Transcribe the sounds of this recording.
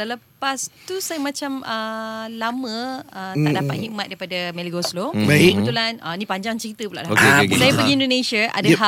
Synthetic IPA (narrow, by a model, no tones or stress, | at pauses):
saləpast̪usajəmat͡ʃamʔəlamə̃əaʔdapa̰t̪̚hiʔ̚mat̪̚daipadameliɡoslobaikəbənt̪ulanə̰nĩpaɲd͡ʒaŋt͡ʃəɾit̪əpula̰ʔlaokeksajəpəɡiindonẽʃaʔa̰daɦa